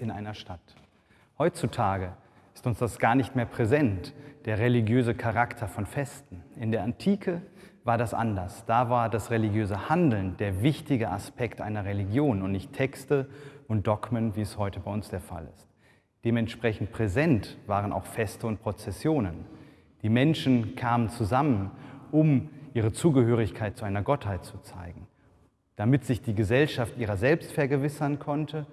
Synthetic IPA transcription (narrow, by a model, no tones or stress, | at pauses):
ɪnʔa̰ɪnɐʃtat | hɔʏtt͡sutʰaːɡə | ʔɪstʊnsd̥asɡ̥aːɐnɪçtmeːɐpʁ̥ezɛntd̥eːɐʁeliɡjøːzəkʰaʁaktʰɐfɔnfɛstn̩ʔɪndeːɐʔantʰiːkʰəvaːɐdasʔa̰ndɐsd̥aːvaːɐdasʁeliɡjøːzəhandl̩nd̥eːɐvɪçtɪɡəʔa̰spʰɛktʔa̰ɪnɐʁeliɡjoːnʊntnɪçtʰːɛkstəʔʊnt̚d̥ɔkmənviːɛshɔʏtəbaɪʊnsd̥eːɐfa̰lɪ̰st | d̥eːmɛntʃpʁ̥ɛçn̩t̚pʁ̥ɛzɛntv̥aːʁənʔa̰ʊxfɛstəʊnt̚pʁ̥ot͡sɛsjoːnən | d̥iːmɛnʃn̩kʰaːmənt͡suzamənʔʊmʔiːʁət͡suːɡəhøːʁ̞ɪçkʰaɪt̚t͡suaɪnɐɡɔthaɪt̚t͡sut͡saɪɡŋ̩ | d̥amɪtz̥ɪçd̥iːɡəzɛlʃaftʔiːʁɐzɛlpstfɛɐɡəvɪsɐnkʰɔntʰə